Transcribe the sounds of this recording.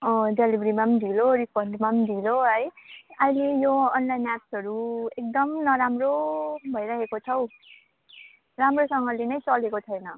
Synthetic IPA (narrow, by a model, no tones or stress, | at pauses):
ʌdelibʱɾimamd̪ʱiloɾipʰʌndmamd̪ʱiloɦʌjajlejoʌnlajnapsʌɾuek̚d̪ʌmnʌɾamrobʱʌjɾaɦekot͡sʰʌw | ramrosʌŋɡʌlenʌjt͡sʌlekot͡sʰʌjnʌ